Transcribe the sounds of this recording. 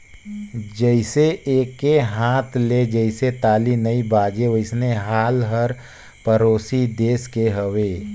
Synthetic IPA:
d͡ʒəɪseʔeːkːeɦãːt̪ʰled͡ʒəɪset̪aːlinəibaːd͡ʒeʋəɪsneɦaːlɦəɾ | pəɾoːsid̪eːskeɦəʋeː

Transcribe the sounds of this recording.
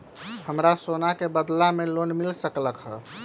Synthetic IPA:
həmɾasonakebəd̪lamelonmilsəkləkɦə̰

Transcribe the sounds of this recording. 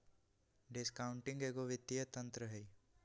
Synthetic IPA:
ɖɪskaːʊɳʈɪ̃ŋɡeːɡoʋɪt̪ːijət̪ɐ̃nt̪ɾəɦɛi

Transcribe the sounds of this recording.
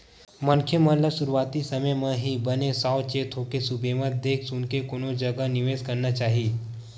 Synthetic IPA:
mɐnkʰjemələsʊɾuʋaːt̪isɐməjmãɦibɐnesaːʋt͡ʃeːt̪ʰoːkesubʱeːmət̪̚d̪eːkʰsʊnkekoːnõd͡ʒɐɡənɪʋeːzkɐɾnat͡ʃaːɦiː

